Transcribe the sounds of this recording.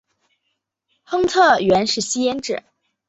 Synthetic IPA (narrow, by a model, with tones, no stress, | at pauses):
xɤ˥ŋt̪ʰɤ˥˩ɥɛ˧˥nʂɻ̩˥˩ɕi˥jɛ˥nʈ͡ʂɻ̩˥˩˦